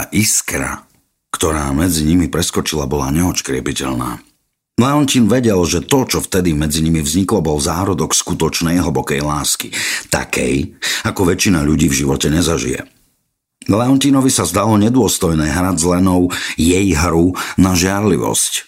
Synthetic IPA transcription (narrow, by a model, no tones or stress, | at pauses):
aʔiskɾa̰ | kt̪ɔɾaːmɛd͡ziɲimipɾɛskɔt͡ʃilabɔla̰ɲɛɔt͡ʃkɾɪɛpicɛ̰ʎna̰ː | lɛɔnciːnʋɛɟɛlʒɛt̪ɔt͡ʃɔft̪ɛd̪imɛd͡ziɲimivzɲiklɔbɔlzaːɾɔd̪ɔkskut̪ɔt͡ʃnɛjɦəbɔkɛjlaːskit̪a̰kʰɛ̰jakɔʋɛt͡ʃinaʎuɟiːvʒiʋɔcɛɲɛzaʒḭjɛ̰ | lɛɔnciːnɔʋisazd̪alɔɲɛd̪ʊɔst̪ɔjnɛːɦɾazlɛnɔʊjɛjɦɾunaʒɪaɾlḭʋɔ̰sc